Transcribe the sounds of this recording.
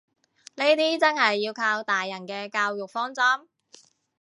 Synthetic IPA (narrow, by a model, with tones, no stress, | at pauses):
ne˥t̪iː˥t͡sɐ˥nhɐ˨jːiː˧wkʰaː˧wt̪aː˨jːɐ˨˩nkɛː˧kaː˧wjʊ˨k̚fɔː˥ŋt͡sɐ˥m